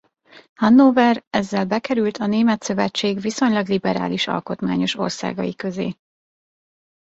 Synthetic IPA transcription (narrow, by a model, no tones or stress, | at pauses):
hɒnːoːvɛrɛzːɛlbɛkɛɾylt̪ʰɒneːmɛt̪sø̞vɛt͡ʃːeːɡviso̞ɲlɒɡlibɛɾa̰ːliʃɒ̰lko̞t̪maːɲo̞ʃo̞̰rsa̰ːɡɒ̰jikø̞zḛː